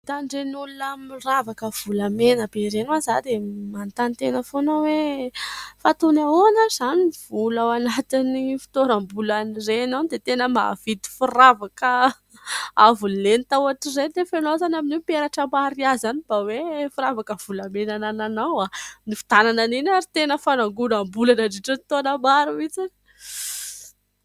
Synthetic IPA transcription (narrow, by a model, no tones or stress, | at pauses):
t̪aɳɖ͡ʐenulunamiravakəv̥ulamenəbeɾenwazad̪emant̪ant̪enəfonawe | fat̪unaonəz̥aniv̥ulawanat̪inifi̥t̪oɾambulanirenand̪et̪enəma̰vit̪i̥furavakə | avulenit̪awaʈ͡ʂizend̪efenozanaminepeɾaʈ͡ʂəmaɾiazanib̥awefuɾavakəv̥ulamenanananawanifi̥t̪anananinaɾit̪enəfanaŋɡulambulanaɖ͡ʐiʈ͡ʂənit̪onəmaɾuit͡si